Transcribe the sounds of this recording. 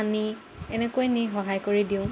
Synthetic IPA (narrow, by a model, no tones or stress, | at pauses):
ani | ɛnekojniɦɔɦajkoɹidiʊ̃